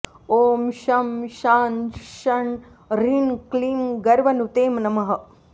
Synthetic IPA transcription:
oːmʃɐmʃaːnʃɐɳ | ɾinkliːnɡɐɾʋɐnut̪eːmnɐmɐɦɐ

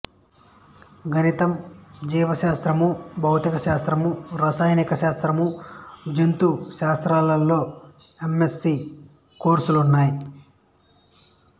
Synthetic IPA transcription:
ɡʱɐnit̪ɐmd͡ʒiːʋɐʃaːst̪ɾɐmubʱɐwt̪ikɐʃaːst̪ɾɐmuɾasaːjnikɐʃaːst̪ɾɐmud͡ʒent̪uʃaːst̪ɾaːlɐlːo̞ː | e̞me̞sːi | koːɾsulunːaːji

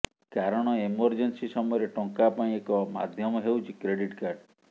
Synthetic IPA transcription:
kaɾɔɽ̃ɔemɔɾd͡ʒensisɔmɔjɔɾeʈɔŋkapaĩekɔma̰d̪ʱjɔmɔɦewt͡ʃʰikɾeɽiʈkaɾɖ

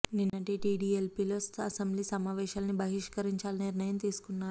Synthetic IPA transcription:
ninːɐʈiʈiːɖiːelpilost̪ʰɐsɐmbliːsɐmaːʋɛːʃaːlɐnibʱɐɦiʂkɐɾiɲt͡ʃaːlɐniɾnɐjɐmt̪iːsu̥kunːaːɾu

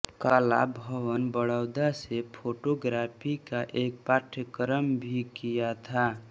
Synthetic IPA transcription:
kala̰bʱəʋənbəɽəʊd̪asepʰoʈoɡɾapʰikaʔek̚paʈʰəkɾəmbʱikijat̪ʰa

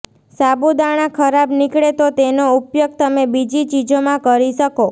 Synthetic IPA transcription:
sabud̪aɽ̃ãkʰəɾabnikɽet̪ot̪enoupjəɡ̚t̪əmebid͡ʒit͡ʃid͡ʒomãkəɾiʃəko

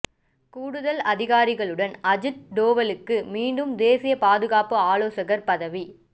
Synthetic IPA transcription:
kuːɽɯðɐlɐðɪɣaːɾɪɣɐɭɯɽɐnɐd͡ʒɯʈ̚ɖoːʋɐlɯkːɯmiːɳɖɯmd̪eːsɪjɐpaːðɯɣaːpɯaːloːsɐɣɐɾpɐðɐʋi

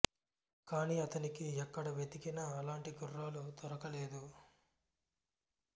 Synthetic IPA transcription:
kaːniːɐt̪ɐnikiɛkːɐɽɐʋjet̪ikinɐːlaːɳʈiɡurːaːlut̪ɔɾɐkɐleːd̪u

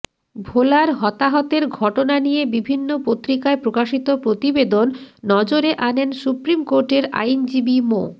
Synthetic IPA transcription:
bʱolaɾɦɔt̪aɦɔt̪eɾɡʱɔʈonanijebibʱinːopot̪ːɾikaepɾokaʃit̪opɾot̪ibed̪onːɔd͡ʑoɾeʔanensupɾimkoɾʈeɾa̰jnd͡ʑibimo̰

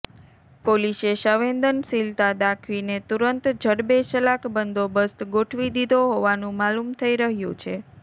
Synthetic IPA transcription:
poliseʃəʋend̪ənsilt̪ad̪akʰʋinet̪uɾənt̪d͡ʒʱəɽbet͡ʃəlakbənd̪ʱobəst̪ɡoʈʰʋid̪id̪oɦoʋanũmalumt̪ʰəiɾəɦjṵ̃t͡ʃʰe

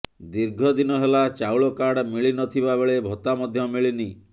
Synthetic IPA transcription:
d̪iɾɡʱɔd̪inɔɦelat͡ʃawɭɔkaɾɽmiɭinɔt̪ʰibabeɭebʱɔt̪amɔd̪ʱjɔmiɭini

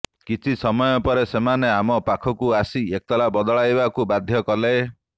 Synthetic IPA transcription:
kit͡ʃʰisɔmɔjɔpɔɾesemaneamɔpakʰɔkuasiekɔt̪ɔlabɔd̪ɔɭajbakubad̪ʱjɔkɔle

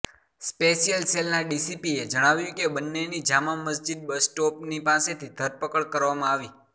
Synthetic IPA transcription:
speʃijəlselnaɖisipied͡ʒəɽ̃aʋjũkebənːenid͡ʒamaməs̬d͡ʒid̪̚bəsʈopnipaset̪ʰid̪ʱəɾpəkəɭkəɾʋamãaʋi

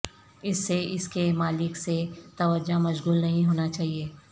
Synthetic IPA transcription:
ɪsːeɪskemaːlɪkset̪ɐʋəd͡ʒamɐʃɣuːlnɐɦĩɦoːnat͡ʃaːɦieː

